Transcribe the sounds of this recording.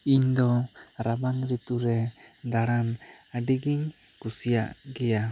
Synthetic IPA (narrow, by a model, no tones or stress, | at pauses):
ind̪oɾabaŋɾit̪uɾɛd̪aɾanadiɡiɲkusiaɡia